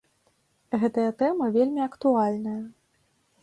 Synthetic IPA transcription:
ɣɛt̪ɐjɐt̪ɛmɐvʲelʲmʲiɐkt̪ualʲnɐjɐ

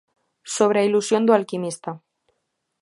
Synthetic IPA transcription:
so̞β̞ɾeilusjo̞nd̪oalkimist̪a

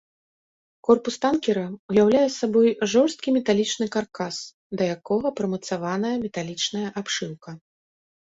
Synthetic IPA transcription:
kɔrpust̪ankʲɛɾɐujawlʲajɛsːabɔjʐɔrst̪̚kʲimʲɛt̪alʲit͡ʂnɨkarkas | d̪ɐjakɔɣɐpɾɐmɐt̪savan̪ɐjɐmʲɛt̪alʲit͡ʂnɐjɐʔapʂɨwkɐ

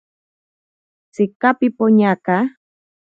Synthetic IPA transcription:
t͡sɪkapɪpoɲaka

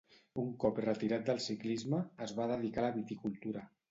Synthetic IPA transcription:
uŋkɔprət̪iɾat̪̚d̪əlˠsiklizməːzβaðəðikaləβit̪ikulˠt̪uɾa

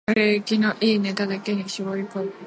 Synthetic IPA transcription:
aɾekʲinoʔiːne̞t̪ad̪ake̞ɲ̟iɕiɡoiko

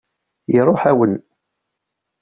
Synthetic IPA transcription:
jiɾˤoħæwən

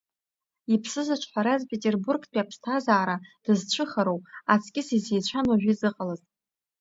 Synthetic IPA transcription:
ipʰsɨzɨt͡ʃʷʰʼħʷaɾazpʰetʼerburɡpʼiapʰstʰazaːɾad̥ɨzt͡ʃʷʰɨχaɾowpʼat͡sʰkʲʼɪsizejt͡ɕʷʰanoʒᶣizɨqʼalaz

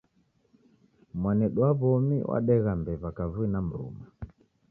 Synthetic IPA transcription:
mwanɛɗwaβɔmḭwʔa̰ɗɛɣambɛβakavuinam̩ɾṵma

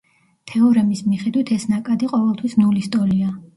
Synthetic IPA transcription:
t̪ʰɛɔɾɛmismiχɛd̪wit̪ʰɛsnakʼad̪iqʼɔvɛlˠt̪ʰwismnulist̪ʼɔlia

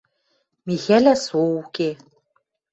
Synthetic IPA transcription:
mixælæsouke

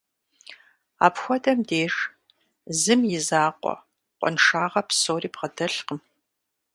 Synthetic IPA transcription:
a̰ːpxʷɔdɐmdeːʂ | zɨmjɪzaːqʷʼɔ̰ | qʷʼɔ̰nʂaːʁɐpsoːriːpʁɐdɐɬqəm

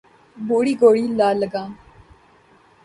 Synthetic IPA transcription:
boːɽiːɡoːɽiːlaːləɡãː

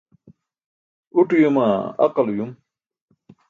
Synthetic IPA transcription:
uʈujumaɐ̰qɐlujum

